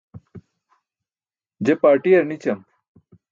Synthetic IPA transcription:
d͡ʑepaːɾʈiɐɾnit͡ɕɐm

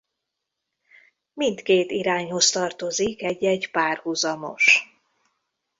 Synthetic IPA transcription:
mint̪keːt̪iɾaːɲho̞st̪ɒrt̪o̞zikɛɟːɛɟpaːrhuzɒmo̞̰ʃ

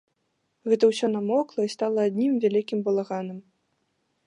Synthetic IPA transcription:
ɣɛt̪ɐwsʲɔnamɔklˠɐist̪alˠɐːd̪ʲnʲimvʲalʲikʲimbulˠaɣanɨm

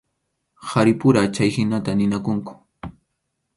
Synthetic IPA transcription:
haɾɪpʊɾat͡ʃajhɪnat̪anɪnakʊŋkʊ̥

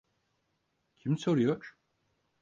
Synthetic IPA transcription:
cʰimsoɾyjoɾ

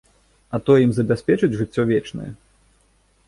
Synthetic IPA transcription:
ɐt̪ɔjɛimzɐbʲasʲpʲɛt͡ʂɨt͡sʲʐɨt͡sʲːɔvʲɛt͡ʂnɐ̰jɛ̰

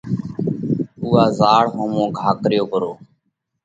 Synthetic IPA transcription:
uːaːzaːɽɦõːmõːɡʱaːkɾɪjoːkəɾoː

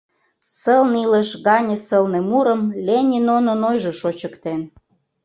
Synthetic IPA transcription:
səlniləʃɣɑnʲə̆səlnĕmuɾə̆mlʲenʲinononojʒoʃot͡ɕəkt̪en

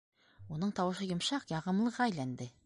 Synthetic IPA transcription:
unɤɴt̪ɑwɤ̆ʃɤjŏmʃɑqjɑʁɤ̆mlˠɤ̆ʁɑæjlænd̪ɘ

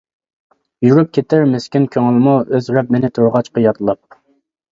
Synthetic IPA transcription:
juɾyp̚kʲʰet̪ʰɪɾmeskʲɪnkʲʰøŋɪlˠmuøzɾɛp̚mɪnɪt̪ʰoɾʁɑt͡ʃqɑjɑt̪lˠɑp̚

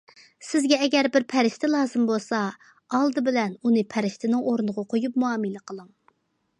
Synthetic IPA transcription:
sɪzɡʲɛɛɡʲɛɾbɪɾpʰɛɾɪʃt̪ɪlˠɑːzɨmbolˠsɑ | ɑlˠd̪ɨbɪlɛnunɨpʰɛɾɪʃt̪ʰɪnɪŋʔoɾnəʁɑqʰojup̚muɑːmɨlɪqʰəlˠɨŋ

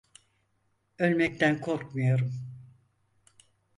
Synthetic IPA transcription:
ølʲmɛc̚t̪ʰænkʰoɾk̚mɯjo̞ɾum

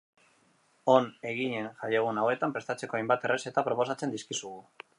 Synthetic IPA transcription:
o̞ne̞ɣ̞iɲe̞nʝajeɣ̞unawe̞t̪ampɾe̞st̪at͡se̞ko̞ajmbat̪e̞rese̞t̪apɾo̞po̞sat͡se̞nd̪iskisuɣu

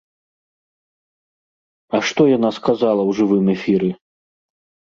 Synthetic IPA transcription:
ɐʂt̪ɔjan̪askazalˠɐwʐɨvɨmɛfʲiɾɨ

